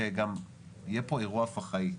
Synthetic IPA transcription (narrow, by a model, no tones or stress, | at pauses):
eɡam | jepoeʁuafaχai